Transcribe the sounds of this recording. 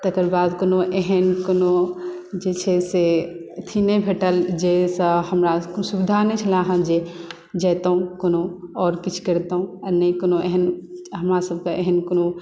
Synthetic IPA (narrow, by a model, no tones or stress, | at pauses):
t̪ɐkəɾbaːd̪konoʔeɦənkoːno | d͡ʒet͡ʃʰeset̪ʰinebʱeʈəld͡ʒesəhəmɾaksubɪd̪ʱanet͡ʃʰɐlãɦəmd͡ʒe | d͡ʒaːt̪aɦũkonoɔːɾkit͡ʃʰkəɾt̪aɦũənəĩkonoʔeɦənɦəmɾasəb̚kaʔeɦənkono